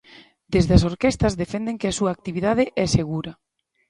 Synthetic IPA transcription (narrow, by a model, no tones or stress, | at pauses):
d̪̥ezðeɐsoɾkest̪ɐzðefɛnd̪eŋkɪasuaːk̚t̪iβiðaðɪʔɛseɣuɾɐ